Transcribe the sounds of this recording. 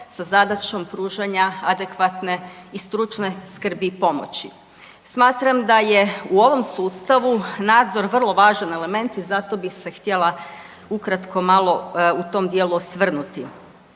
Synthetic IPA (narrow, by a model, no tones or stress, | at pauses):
sazad̪at͡ʃo̞mpɾuːʒaɲaad̪e̞kʋat̪ne̞ist̪ɾut͡ʃne̞skr̩bipo̞mo̞̰t͡ɕi | smaːt̪ɾamd̪aje̞uo̞ʋo̞msuːst̪aʋunaːd̪zo̞ɾʋr̩lˠo̞ʋaːʒane̞le̞me̞nt̪izat̪o̞bise̞xt̪je̞lˠa | ukɾat̪kʰo̞malˠo̞ut̪o̞md̪jeːluosʋr̩nut̪i